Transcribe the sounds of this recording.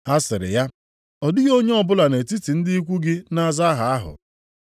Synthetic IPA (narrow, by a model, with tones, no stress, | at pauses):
a˦sɪ˨ɾɪ̰˨ja˦ | ɔ˨dɪ˦ɣo˦ɲe˦ɔ˦bʊ˦la˨ne˨ti˦ti˨n̩˦dɪ˦i˦kʷu˦ɡɪ˦na˦za˦ɦa˨a˦ɦʊ̰˨